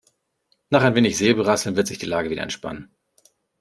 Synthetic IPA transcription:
naːχaɪnveːnɪçz̥eːbəʁasl̩nvɪɐtz̥ɪçd̥iːlaːɡəviːdɐ̰ɛ̰nʃpa̰nən

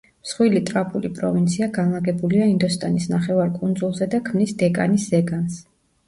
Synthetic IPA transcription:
msχwilit̪ʼɾapʰulipʼɾɔ̰vint̪sʰiaɡanlaɡɛbuliaind̪ɔst̪ʼanisnaχɛvaɾkʼund̪zulˠzɛd̪akʰmnisd̪ɛkʼa̰nisːɛɡans

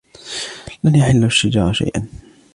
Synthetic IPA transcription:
lanjaħɪlːaʃːɪd͡ʒɑ̰ːɾˤʃa̰jʔa̰n

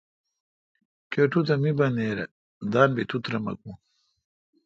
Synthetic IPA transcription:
koʈut̪̬ɐmibɐneːɾɐ̰ | d̪aːnbit̪ʰut̪ɾɐmɐ̰kũ

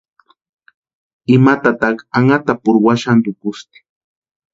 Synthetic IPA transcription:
ɪmat̪at̪ɑχaŋat̪apʊɾwaʃand̪ʊkʊst̪ɪ̥

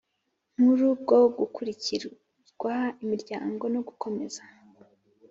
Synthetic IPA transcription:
muɾub̚ɡo̞ɡukuɾiciɾ | ɡ̥wahaimiɾɟa̰ːŋɡo̞no̞ɡukʰo̞me̞̰z̥a

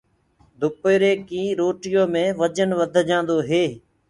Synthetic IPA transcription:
d̪ʱʊpeːɾeːkĩːɾoːʈɪjõːmẽːʋəd͡ʒənʋəd̪ʱd͡ʒãːnd̪oːɦeː

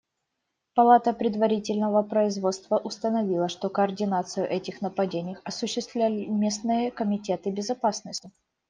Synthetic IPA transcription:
pɐlˠat̪əpɾʲɪd̪vɐɾʲitʲɪlʲnəvəpɾəɪzvo̞t̪st̪vəʔʊst̪ənɐvʲilˠəʂt̪o̞kəɐrdʲɪnat̪sɨjʊʔɛtʲɪxnəpɐdʲenʲɪjəxɐsʊɕːɪst̪vlʲælʲɪmʲe̞snɨjəkəmʲɪtʲe̞t̪ɨbʲɪzɐpasnəsʲtʲɪ

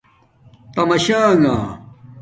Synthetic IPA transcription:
t̪ɐmɐɕaːŋaː

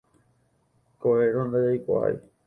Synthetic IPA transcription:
koeɾõnd̪ajajkʷa̰a̰j̰

